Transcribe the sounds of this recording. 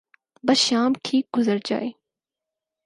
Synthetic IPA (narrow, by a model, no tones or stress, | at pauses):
bɐsʃaːmʈʰiːk̚ɡʊzəɾd͡ʒa̰ːeː